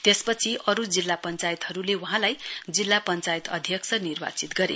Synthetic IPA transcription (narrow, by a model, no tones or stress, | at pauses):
t̪espʌt͡sʰiʔʌɾud͡zilːapʌnt͡sajt̪ɦʌɾulewuɦãlajd͡zilːapʌnt͡sajt̪ʌ̰d̪ʱjʌksʰʌnirba̰t͡sit̪ɡʌɾḛ